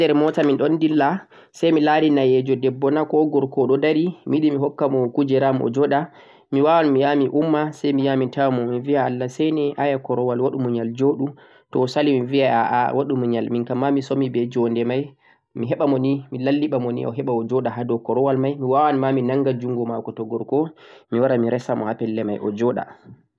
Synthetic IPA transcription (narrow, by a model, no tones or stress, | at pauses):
dɛɾmɔtaminɗɔndilla | sajmilaɾinajɛd͡ʒɔdɛbːɔnakɔɡɔɾkɔɗɔdaɾimiɗimiɦɔkːamɔkud͡ʒɛɾamʔɔ̰d͡ʒɔɗa | miwawanmijamiʔumːasɛjmijamitawamɔmiviaːlːasɛnɛʔajakɔɾɔwalwaɗumuɲald͡ʒoːɗu | tɔsalimivia̰waɗumuɲalminkamːamisomibɛd͡ʒɔndɛmaj | miɦɛɓamɔnimilalːiɓamɔnḭʔɔ̰ɦɛɓaɔd͡ʒɔɗaɦadɔkɔɾɔwalmajmiwawanmaminaŋɡad͡ʒuŋɡɔmakɔtɔɡɔɾkɔmiwaɾamiɾɛsamɔ̰hapɛlːɛma̰jʔɔ̰d͡ʒɔɗa̰